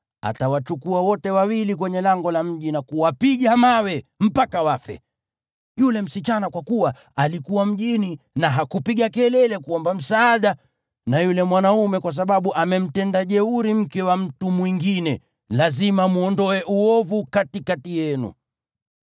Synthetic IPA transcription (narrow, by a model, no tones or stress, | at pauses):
a̰tawat͡ʃukuawɔtɛwawilik̬wɛɲɛlaŋɡɔlam̩ʄinakuwapiɠamawɛm̩pakawafɛ̰ | julɛm̩sit͡ʃanakwakuwa | alikuwam̩ʄini | naɦakupiɠakɛlɛlɛkuɔmbam̩saːɗa | najulɛmwanaumɛkwas̬aɓaɓuʔamɛm̩tɛndaʄɛuɾim̩kɛwam̩tumwiŋɡinɛ | lazimamuɔndɔɛʔuɔvukatikatijɛnṵ